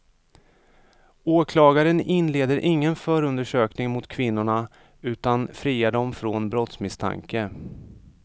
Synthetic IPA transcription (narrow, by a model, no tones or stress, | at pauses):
oːkʰlɑːɡaɾənɪnleːd̪əɾʔɪŋːənfœːɾɵnd̪əʂøːknɪŋmʊt̪kʰvɪnːʊɳa | ʉ̟ːt̪anfɾiːaɖ̪ɔmfɾɔnbɾɔt̪smɪst̪ʰa̰ŋkə